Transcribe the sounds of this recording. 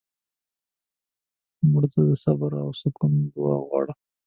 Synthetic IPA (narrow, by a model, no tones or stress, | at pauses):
muɽt̪ad̪əsabaɾawsʊkumd̪ʊwɑɣwɑ̰ɽa